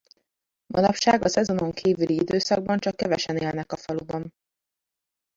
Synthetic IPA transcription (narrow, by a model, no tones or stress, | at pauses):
mɒnɒpʃaːɡɒsɛzo̞no̞ŋkʰiːvyliid̪øːsɒɡ̚bɒnt͡ʃɒkːɛvɛʃɛneːlnɛkɒfɒlubɒn